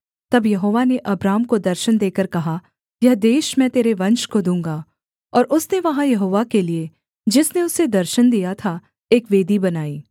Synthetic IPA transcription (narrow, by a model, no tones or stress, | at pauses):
t̪ɐbjɐɦoːʋaneʔɐbɾaːmkod̪ɐɾʃənd̪eːkəɾkɐɦa | jɐɦd̪eːʃmɛ̃t̪eːɾeʋɐ̃nʃkod̪ũːŋ̆ɡaː | ɔːɾʔʊsneʋɐɦãjɐɦoːʋakelie | d͡ʒɪsneʊsed̪ɐɾʃənd̪ijat̪ʰa | eːkʋeːd̪ibɐnaːiː